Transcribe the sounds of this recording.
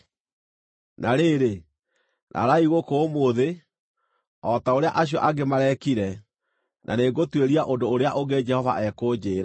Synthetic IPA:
nʔaɾeɾe | nʔa̰ɾaiɣokomoðe | ɔtaoɾea̰ʔaɕ̬jɔʔaɡemaɾɛkiɾɛ | nʔa̰neɡotweɾiaʔondoːɾeaʔoɡed͡ʒɛhɔva̰ʔɛkod͡ʑeːɾa

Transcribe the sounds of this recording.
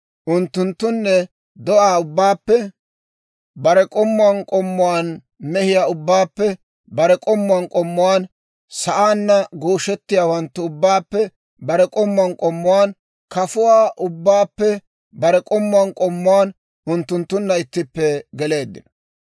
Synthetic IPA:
ʔʊnt̪ːʊnt̪ːʊnːɛ | d̪ɔʔaːʊbːaːpːɛ | bɐɾɛkʼɔmːʊɐnkʼɔmːʊwaːn | mɛhɪjaːʊbːaːpːɛ | bɐɾɛkʼɔmːʊɐnkʼɔmːʊwaːn | sɐʔaːnːɐɡoːʃɛt̪ːɪjaːwɐnt̪ːʊʊbːaːpːɛ | bɐɾɛkʼɔmːʊɐnkʼɔmːʊwaːn | kɐfʊwaːʔʊbːaːpːɛ | bɐɾɛkʼɔmːʊwɐnkʼɔmːʊwaːn | ʔʊnt̪ːʊnt̪ːʊnːɐɪt̪ːɪpːɛɡɛle̞ːd̪ːɪ̰nɔ

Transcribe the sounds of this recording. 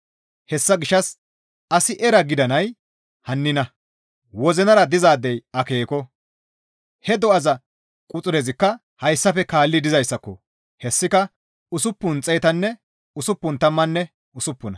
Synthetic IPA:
hɛsːɐɡɪʃːɐs | ɐsɪʔɛɾɐɡɪd̪ɐnɐj | hɐnːɪnɐ | wɔzɛnɐɾɐd̪ɪzaːd̪ɛjɐke̞ːkɔ | hɛd̪ɔɐzɐ | kʼʊt͡sʼʊɾɛzɪkːɐ | hɐjsːɐfɛkaːlːɪd̪ɪzɐjsːɐkːɔ | hɛsːɪkɐ | ʊsʊpːʊnt͡sʼɛjt̪ɐnːɛ | ʊsʊpːʊnt̪ɐmːɐnːɛ | ʊsʊpːʊnɐ

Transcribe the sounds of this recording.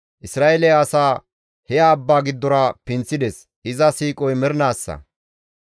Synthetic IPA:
ʔɪsɾaːʔɛlɛːsaː | hɛjaːbːaːɡɪd̪ːɔɾɐpɪnt͡sːɪd̪ɛs | ʔɪzɐsiːkʼɔjmɛɾnaːsːɐ̰

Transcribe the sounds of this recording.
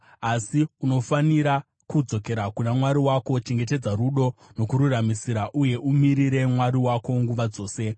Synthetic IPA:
asiuno̞faniɾa | kud͡zo̞ke̞ɾakunamwaɾiwako̞t͡ʃe̞ŋɡe̞t̬e̞d͡zaɾuɗo̞no̞kuɾuramisiɾaʔuje̞ʔumiɾiɾe̞mwaɾiwako̞ŋɡuʋad͡zo̞ːse̞

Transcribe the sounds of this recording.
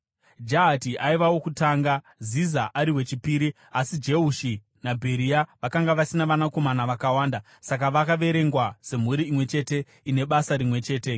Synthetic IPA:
d͡ʒaːtiʔaiʋawo̞kutaːŋɡa | zizaʔaɾiwe̞t͡ʃipiːɾi | asid͡ʒe̞uʃi | nabʱe̞ɾiaʋakaŋɡaʋasinaʋanako̞manaʋakawaːnda | sak̬aʋakaʋe̞ɾe̞ŋɡwase̞m̤uɾiimwe̞t͡ʃe̞ːte̞ | ine̞ɓasaɾimwe̞t͡ʃe̞ːte̞

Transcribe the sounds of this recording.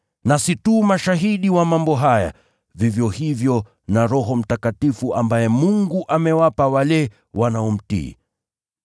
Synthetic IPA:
nasitumaʃaɦiɗiwamambɔɦaja̰ | vivjɔhivjɔ | naɾɔɦɔm̩takatifuʔambajɛmuŋɡuʔamɛwapawalɛ | wanaɔm̩tḭː

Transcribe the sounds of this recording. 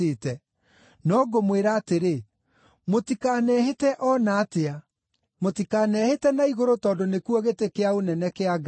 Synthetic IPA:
etɛ | nɔɡomweɾaːteɾe | motikanɛːhetɛʔɔnaːtea | motikaːnɛhetɛnaiɣoɾotɔːndonekwɔɣetekeaonɛnɛkeaɡ

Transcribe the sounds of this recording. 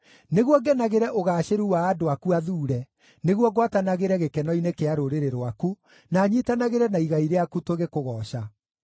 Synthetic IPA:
neɣwɔɡɛnaɣeɾɛʔoɣaːɕeɾuwaːdoakuaðuːɾɛ | neɣwɔɡwatanaɣeɾɛɣekɛnɔinekeaɾoɾeɾeɾoaku | naɲitanaɣeɾɛnaiɣaiɾeakutwoɣekoɣɔːɕa

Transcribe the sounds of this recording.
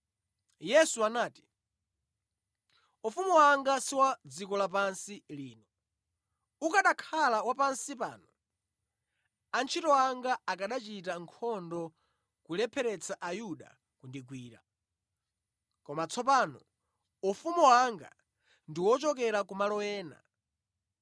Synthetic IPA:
jɛsuanaːti̥ | ufumuwaŋɡasiwad͡zikɔlap̬ansiliːnɔ | ukaɗakʰalawapansipa̰ːnɔ | ant͡ʃʰitɔaŋɡaakaɗat͡ʃitaŋkʰɔndɔ | kulɛpʰɛɾɛt͡saʔajuɗa̰ | kundiɡwiːɾa̰ | kɔmat͡sʰɔp̬aːnɔ | ufumuwaŋɡa̰ | ndiwɔt͡ʃɔk̬ɛɾakumalɔɛːna̰

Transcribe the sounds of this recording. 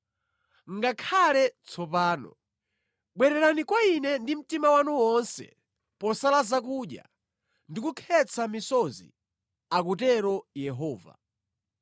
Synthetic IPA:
ŋɡakʰalɛt͡sʰɔpaːnɔ̰ | ɓwɛɾɛɾanikwainɛndim̩timawanuwɔnsɛ̰ | pɔsalazak̬uɗja̰ | ndikukʰɛt͡sʰamisɔzḭ | ak̬utɛɾɔjɛɦɔːva̰

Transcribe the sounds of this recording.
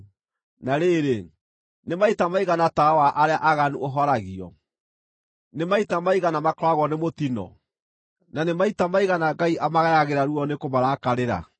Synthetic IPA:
naɾeɾe | nemaitamaiɣanatawaʔaɾeaʔaɣanuoɦɔɾaɣiɔ̰ | nemaitamaiɣanamakɾwaɣwɔnemotinɔ̰ | nanemaitamaiɣanaɡaiʔamaɣajaɣeɾaɾuɔnekomaɾaːkaɾeɾa̰

